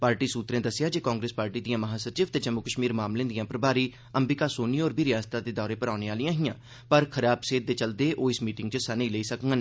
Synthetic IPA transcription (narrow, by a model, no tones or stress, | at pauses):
paːɾʈiːsuːt̪ɾẽːd̪əsːɪjaːd͡ʒeːkãːŋɡɾeːspaːɾʈiːd̪ijãːməɦaːsət͡ʃiːʋt̪eːd͡ʒəmːukəʃmiːɾmaːmlẽːd̪ɪjãːpəɾbaːɾiː | əmbikaːsoːniːoːɾbʱiːɾɪjaːst̪aːd̪eːd̪ɔːɾeːpəɾaːneːaːlijãːɦijãː | pəɾkʰəɾaːbseːt̪̚d̪eːt͡ʃəld̪eːʔoːɪsmiːʈɪŋɡt͡ʃəsaneiːleiːsəkŋɡən